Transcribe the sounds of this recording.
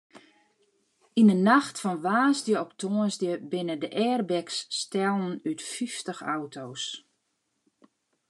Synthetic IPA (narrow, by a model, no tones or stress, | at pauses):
inənaxtfɔnʋaːsdjəɔptʰoːənzdjəbɪnədəʔɛːrbɛksːtɛlˠn̩ytfiftəxa̰wtʰows